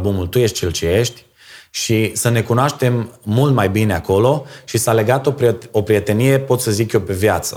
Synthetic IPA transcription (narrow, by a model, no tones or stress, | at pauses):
bumult̪uje̞ʃt̪ʲt͡ʃelt͡ʃeje̞ʃt̪ʲ | ʃisəne̞kunoaʃt̪e̞mːult̪majbine̞ako̞lo̞ʃisale̞ɡat̪o̞popɾije̞t̪e̞nije̞po̞t̪səzikjo̞pe̞vjat̪sə̰